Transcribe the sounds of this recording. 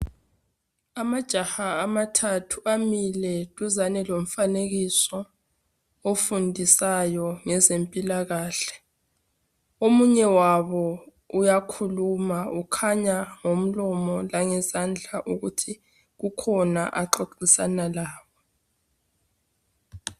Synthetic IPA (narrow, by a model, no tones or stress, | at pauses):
amad̥ʒ̥ʱahaːmatʰatʰuamilɛtʼuzanɛlom̩faneɣisɔ | ofundʱisajɔŋɛzempʼilaɣaːɬɛ̥ | omuɲɛwaβɔ | ujakʰulumaukʰaɲaŋom̩lɔmɔlaŋɛzand͡ɮʱaʔuɣutʰi | ɣukʰɔna̰ʔaǁoǃisanalaːβɔ